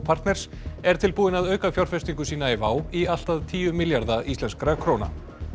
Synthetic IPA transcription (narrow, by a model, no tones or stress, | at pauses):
pʰaɾ̥t̪nɛɾ̥s | ɛɾ̥t̪ʰɪlpuːðɪnaðœːɥkafjawɾ̥fɛst̪iŋkʏsiːnaɛvaːwial̥t̪aðt̪ʰiːʏmɪljaɾðaʔist̪lɛnskɾakʰɾoːwna̰